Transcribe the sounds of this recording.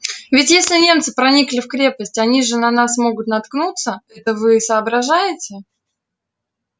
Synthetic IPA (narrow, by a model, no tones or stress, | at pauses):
vʲɪtʲjesʲlʲɪnʲe̞mt̪sɨpɾɐnʲiklʲɪfkɾʲe̞pəsʲtʲɐnʲiʐɨnɐnasmo̞ɡʊt̪nɐt̪knut̪səɛt̪əvɨːsəːbɾɐʐajɪtʲɪ